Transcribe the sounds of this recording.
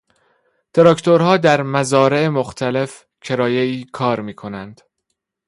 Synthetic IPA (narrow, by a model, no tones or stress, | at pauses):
t̪ʰeɾɒkt̪ʰoɾhɒːd̪æɾmæzɒːɾe̞emoxt̪ʰæle̞f | cʰe̞ɾɒːjeiːkʰɒːɾmiːkʰo̞nænd̪̥